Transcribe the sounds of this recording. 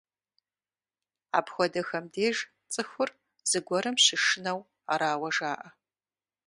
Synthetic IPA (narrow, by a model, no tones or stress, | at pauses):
a̰ːpxʷɔdɐxɐmdeːʒ | t͡sʼɨxʷʊr | z̥ɨɡʷɔɾɨmɕɪʂɪnɐw | a̰ːɾaːwɐʒaːʔɐ